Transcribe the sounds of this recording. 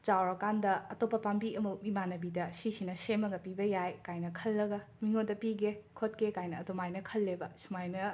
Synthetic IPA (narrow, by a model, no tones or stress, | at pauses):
t͡ʃawɾɐkandɐɐtopːɐpambiɐmuk̚mimanɐbidɐsisinɐsemɐɡɐpibɐjajkajnɐkʰɐlːɐɡɐ | miŋodɐpiɡekʰot̚kekajnɐɐtomajnɐkʰɐlːebɐsumajnɐ